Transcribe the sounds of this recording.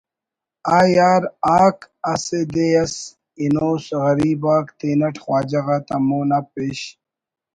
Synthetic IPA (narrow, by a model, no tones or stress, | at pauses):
aːjaːɾaːk | ɐsed̪ejɐs | inoːsɣɐɾiːbaːkt̪eːnɐʈʰxwaːd͡ʑɐɣaːt̪ɐmoːnapeɕ